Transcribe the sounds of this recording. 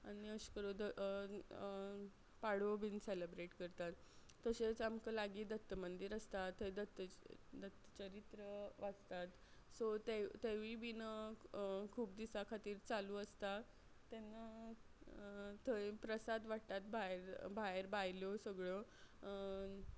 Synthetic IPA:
aɽ̃iəɕkəɾod̪ə | paɽ̤obinselebɾeʈkəɾt̪at̪ː | əɕet͡samkəlaɡiːd̪ət̪ːəmənd̪iːɾəst̪at̪ːəjd̪ət̪ːəd̪ət̪ːət͡ɕəɾit̪ɾəʋad͡zt̪at̪ | sot̪et̪eʋibinə | kʰuːp̚d̪isakʰat̪iːɾt͡saluːəst̪a | t̪ːenːə | t̪əepɾəsad̪ʋaɽt̪at̪̚bʱaeɾbʱaeɾbajljosəɡɭo

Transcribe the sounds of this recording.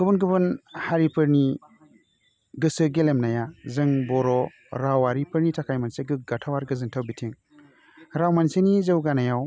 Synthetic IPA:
ɡ̥ɯbɯnɡɯbɯnhaɾipʰɯɾni | ɡɯsɯɡelemnajazɯŋbɔɾɔ | ɾawaɾipɯɾnitʰakʰajmanseɡɯɡatʰawaɾɡɯzɯŋtʰawbitʰiŋ | ɾawmansenizɯwɡanajaw

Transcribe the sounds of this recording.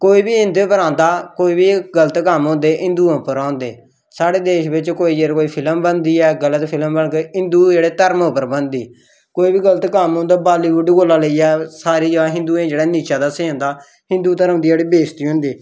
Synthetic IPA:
koːiːbiːɦɪ̃nd̪epəɾãːnd̪aːkoːiːbiːɡələt̪kəmɦʊ̃ːnd̪eːʔɪ̃nd̪uːãpəɾãːnd̪ḛː | saːɽeːd̪eːʃbɪt͡ʃkoːiːd͡ʒeːɾkoːiːpʰɪləmbənd̪iːɛːɡələt̪pʰɪləmbəɳkeɦɪ̃nd̪uːd͡ʒeːɽeːt̪əɾmopəɾbənd̪iː | koːiːbiːɡələt̪kəmɦõːnd̪aːbaːliːbʊɖɡoːlːaːləiːɛːsaːɾiːd͡ʒəaːɦɪ̃nd̪uːẽːd͡ʒeːɽaːniːt͡ʃaːd̪aːsẽːõːnd̪aː | hɪ̃nd̪uːt̪əɾəmd̪iːd͡ʒeːɽiːbeːst̪iːɦʊ̃nd̪iː

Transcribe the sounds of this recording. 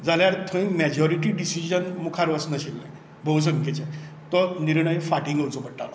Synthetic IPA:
d͡zaljaɾt̪ʰõĩmɛd͡ʑɔɾiʈ̬iːɖisid͡ʑənmukʰaɾʋəsnəɕilːã̰ | bʱows̬əŋket͡ɕe | t̪ɔniɾɳ̃əjfaʈiŋɡʱəwt͡sɔbəʈːa̰lɔ

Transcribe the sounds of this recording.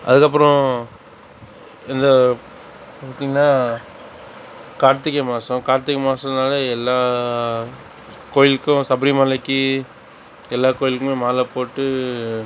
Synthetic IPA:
ʔɐ̰ðɯkːɐp̬ːɯɾɔ̃ | ɪnd̪ɐ | paːɾt̪iːŋɡɐnːaː | kaːɾt̪ːɯkːɐmaːsɐ̃kaːɾt̪ːɯkːɐmaːsɐ̃naːlɐɛlːaː | koːɻɪlkːʊ̃sɐbɾɪmɐlɐkːɯ | ɛlːaːkoːjɪlkːʊmeːmaːlɐpoːʈːɯ

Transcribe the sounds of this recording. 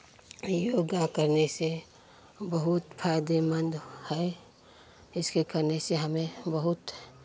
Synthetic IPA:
joɡakəɾnese | bəɦʊt̪pʰaɪd̪emə̃nd̪hɛe | ɪskekəɾneseɦɐmẽbəɦʊt̪

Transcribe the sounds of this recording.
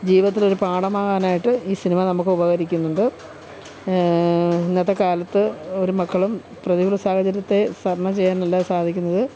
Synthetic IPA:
d͡ʑiːʋɐt̪̬ːilo̞ɾupaːɽɐmaːɣaːnaːjiʈːɨiːsinimɐnɐmukːɨubɐɣɐɾikʲːunːuɳɖɨ | neðɐkaːlɐt̪ːɨo̞ɾumɐkːɐɭum | prɐðiɣɐɭɐsaːhɐd͡ʑɐɾjɐt̪ːe̞sɐrɳɐt͡ɕe̞jːaːnɐlːasaːd̪ʱikʲːunːɐðɨ

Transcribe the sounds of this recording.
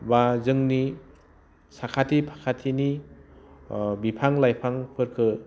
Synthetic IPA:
bazɯŋni | sakʰatʰipʰakʰatʰini | bipʰaŋlajpʰaŋpʰɯɾkʰɯ

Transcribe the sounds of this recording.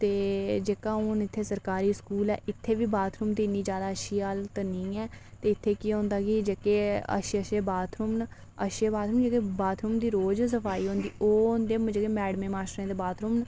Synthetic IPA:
t̪eːd͡ʒeːkaːʊːnɪt̪ʰːeːsəɾkaːɾiːskuːlɛ̰ːʔɪt̪ʰːeːʋiːbaːt̪ʰɾuːmt̪iːniːd͡ʒjaːd̪aːəʃiːaːlt̪ənĩːɛːt̪eːɪt̪ʰːeːkiːɦõːnd̪aːkɪd͡ʒeːkeːə̰ʃəʃeːbaːt̪ʰɾʊmn | əʃeːbaːt̪ʰɾuːmnd͡ʒeːkeːbaːt̪ʰɾuːmd̪iːɾoːd͡ʒs̬əpʰaːiːɦõːnd̪ḭːʔoːʊnd̪eːmd͡ʒeːkeːmɛːɖmẽːmaːʃʈɾẽːt̪eːbaːt̪ʰɾʊːmn

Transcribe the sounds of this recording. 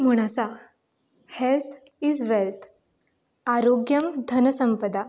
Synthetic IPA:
m̤uɽ̃asa | helt̪ʰ | izʋelt̪ʰ | aɾoɡjəmd̪ʱənəsəmpəd̪a

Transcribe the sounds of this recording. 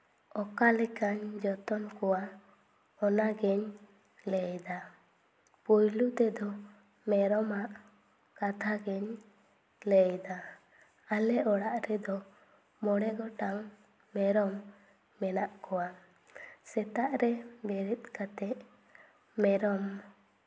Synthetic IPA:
ɔkalɛkaɲd͡ʒɔt̪ɔnkɔwa | ɔnaɡɛɲ | lɛjd̪a | pɔjlut̪ɛd̪ɔ | mɛɾɔmaʔ | kat̪ʰaɡɛɲ | lɛjd̪a | alɛʔɔɽaʔɾɛd̪ɔ | mɔɽɛɡɔʈaŋ | mɛɾɔmː | ɛnaʔkɔwa | sɛt̪aʔɾɛbɛɾit̪̚kat̪ɛʔ | mɛɾɔm

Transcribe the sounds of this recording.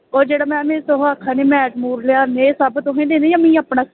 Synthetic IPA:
oːɾd͡ʒeːɽaːmɛ̃ːmeːsoɦaːkʰːaːneːmɛ̃ːʈmuːɾlɪjaːɾneːsabt̪õɦẽːnd̪eːnẽːjãːmɛ̃ĩːaːpɳaː

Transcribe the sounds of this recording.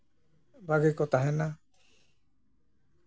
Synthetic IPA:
baɡɛkɔt̪aɦɛna

